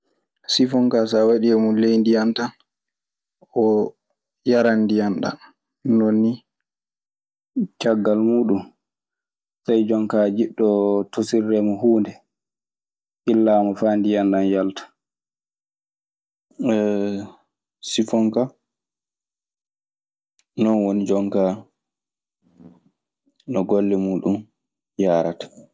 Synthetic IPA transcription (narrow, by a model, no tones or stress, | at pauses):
sifɔŋkasawaɗiɛmulejndijanta | ʔɔ | jaɾandijanɗa̰ | nonːi | t͡ʃaɡːalmuːɗum | sajd͡ʒɔŋkaːd͡ʒiɗːɔtosirːɛmɔhuːndɛ | ʔilːaːmɔfaːndijandanjaltḁ | sifɔŋka | nɔnwonid͡ʒɔŋka | nɔɡolːɛmuːɗum | jaːɾa̰tḁ